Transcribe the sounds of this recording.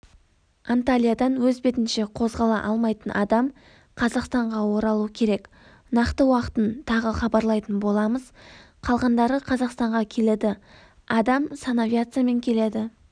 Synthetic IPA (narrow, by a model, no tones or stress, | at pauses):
ant̪alʲijad̪ɑnwɵzbe̞t̪ɪnʃe̞qʰo̞zʁɑlˠɑ̰ʔɑlˠmɑjt̪ənʔɑ̰d̪ɑm | qʰɑzɑqst̪ɑɴʁɑwo̞ɾɑlˠuəkʲʰe̞ɾe̞k | nɑqt̪əwɑqə̥t̪ənt̪ʰɑʁəχɑbɑɾlˠɑjt̪ənbo̞lˠɑməz̥ | qʰɑlˠʁɑnd̪ɑɾəqʰɑzɑqst̪ɑɴʁɑkʲʰe̞le̞d̪ɪ | ɑd̪ɑmsanavjat̪sɨjame̞ŋkʲʰe̞le̞d̪ɪ